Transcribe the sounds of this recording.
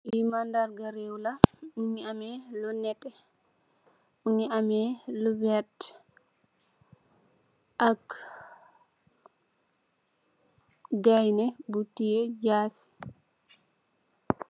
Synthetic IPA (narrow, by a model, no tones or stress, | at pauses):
ʔimandaɾɡaɾewlauɲiamɛlɔnɛtːɛ | uniamɛlubɛt | ʔak | ɡajnɛbutːijɛd͡ʒaːsi̥